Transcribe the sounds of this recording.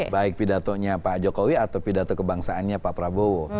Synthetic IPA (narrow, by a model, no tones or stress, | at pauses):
baɪk̚pidat̪oɲapad͡ʒokowiat̪awpidat̪ɔkəbaŋsaːnɲapapɾabowo